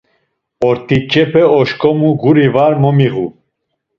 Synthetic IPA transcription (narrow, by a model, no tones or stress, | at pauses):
ɔɾt̪ʰʼit͡ʃʼɛpʰɛɔʃkʼɔmuɡuɾivaɾmɔmiɣu